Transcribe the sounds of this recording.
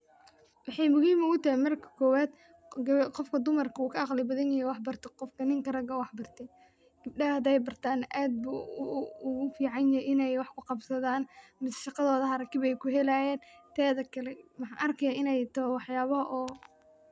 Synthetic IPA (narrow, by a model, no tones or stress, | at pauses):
wɑħɑjmʊhiːmʊɣʊt̪ɐhɪmɐrkʰɐ̥kʰɔːwaːd̪ | qɔfkʰɐd̪ʊmɐrkʰɐuːkʰɐʔɑχlɪbɐðɐnjɪhɛjwɑħbɐrt̪ʰɪqɔfkʰɐnɪŋkɐɾɐɡɐwɑħbɐrt̪ʰɛ | ɡ̥ɪb̚ɖɐɐhɐd̪ɛjbɐrt̪ʰaːnʔaːd̪̚buʊɣʊfiːʕɑnjɐʔɪnɛjwɑħkʰʊqɑbsɐðaːnmɪsʃɑqɑðɔːðɐɦɐɾɐkɪβɛjkʰʊɦɛlajɛːnt̪ʰɛːðɐkʰɐlɛmɑħɑːʔɐrkʰɐjaːɪnɛjt̪ʰɐwɑħjaːβɐɦʔɔː